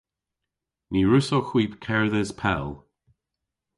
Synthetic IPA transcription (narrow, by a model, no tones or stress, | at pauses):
niːɹʉsoxwiːpkʰɛɹðəspʰɛ̰lˠ